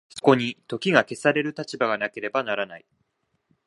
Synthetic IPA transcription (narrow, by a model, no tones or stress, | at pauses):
so̥ko̞ɲ̟it̪o̞kʲiɡake̞saɾe̞ɾɯ̟t̪at͡ɕibaɡanake̞ɾe̞banaɾanai